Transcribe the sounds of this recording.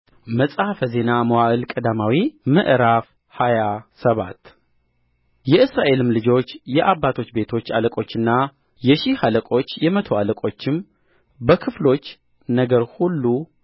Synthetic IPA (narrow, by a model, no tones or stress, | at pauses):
məsʼafəze̞naməwaʔɨlkʼəd̪amawimɨʔɾaf | hajasəβa̰t̪ | jɛɨsɾaʔe̞lɨmlɨd͡ʒo̞t͡ʃːjɛʔaβːat̪ʰo̞t͡ʃːbe̞t̪ʰo̞t͡ʃːaləkʼo̞t͡ʃːɨnːa | jɛʃihaləkʼo̞t͡ʃːjɛmət̪ʰo̞aləkʼo̞t͡ʃːɪm | bəkʰɨflo̞t͡ʃː | nəɡəɾhulːu